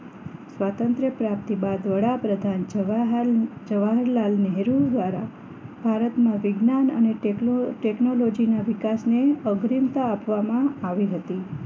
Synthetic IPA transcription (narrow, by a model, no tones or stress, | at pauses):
sʋat̪ənt̪ɾəpɾap̚t̪ibad̪ʋəɽapɾəd̪ʱan | d͡ʒəʋaɦɾlalnɛɦɾud̪ʋaɾa̰ | bʱaɾət̪mãʋɪɡnanəneʈeknolod͡ʒinaʋɪkasneəɡɾimt̪aːpʋamãaʋiɦət̪i